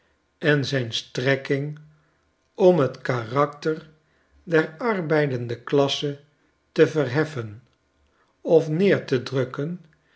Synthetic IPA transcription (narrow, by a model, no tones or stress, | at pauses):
ɛnzɛjnstrɛkɪŋ | ɔmɦətkarɑktər | dɛɹɑrbɛjdəndəklɑsə | təvəɹɦɛfən | ɔfnɪːɹtədrɵkən